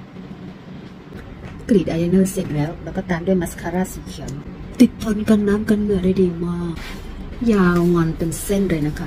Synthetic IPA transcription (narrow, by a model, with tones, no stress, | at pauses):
kliː˨˩t̪ʔaː˧ja˧nɤː˥˩se˨˩t̪̚lɛː˦˥wlɛː˦˥kɔː˥˩t̪aː˧mdu˥˩əjma˦˥skʰa˧ɾaː˥˩siː˨˩˦kʰi˨˩˦əmt̪i˨˩t̪̚p̪ʰːo˧˥nka˧nːaː˦˥mka˧nmɯ˨˩əda˧˩diː˧maː˧˥˩ | jaː˧wŋɔ˧npe˧nse˥˩ndɯː˧˩˨jna˦˥kʰa˦˥